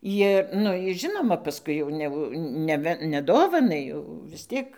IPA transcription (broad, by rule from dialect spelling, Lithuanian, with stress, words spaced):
ˈjɪr ˈnʊ ɪs ˈʒʲɪnoːmɐ pɐˈskʊɪ jɛʊ nʲɛˈʋʊ nʲɛˈʋʲɛ nʲɛˈdoːʋɐnɐɪ jɛʊ ʋʲɪs ˈtʲiɛk